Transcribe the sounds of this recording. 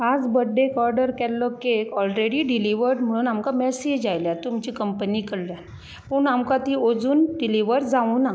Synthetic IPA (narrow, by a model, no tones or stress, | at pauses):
ɦad͡zbəɖːekɔɾɖəɾkɛlːɔkekɔlɾeɽiɖiliʋəɾɖm̤əɽ̃uːnamkamɛsed͡ʑd͡ʑajljat̪umt͡ɕiːkəmpənikəɽlja | pəɳamkat̪iod͡zuːnɖiliʋəɾd͡zaũːna